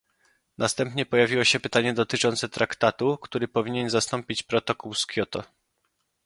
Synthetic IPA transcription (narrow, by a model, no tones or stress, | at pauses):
nʔast̪ɛmpɲɛpɔjavʲiwɔɕɛpɘt̪aɲɛd̪ɔt̪ɘt͡ʂɔnt̪sɛt̪ɾakt̪at̪ukt̪uɾɘpɔvʲiɲɛnzast̪ɔmpʲit͡ɕpɾɔt̪ɔkuwskʲjɔt̪ɔ